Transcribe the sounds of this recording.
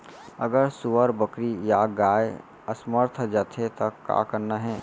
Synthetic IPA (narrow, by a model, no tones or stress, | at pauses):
əɡəɾsʊʋəɾbəkɾijaɡaːe | əsməɾt̪ʰd͡ʒaːt̪ʰet̪ɐkːa̰ːkəɾnaɦɛː